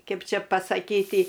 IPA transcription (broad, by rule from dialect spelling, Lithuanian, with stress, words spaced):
ˈkʲɛp ˈt͡ʃʲɛ pɐsɐˈkʲiːtʲɪ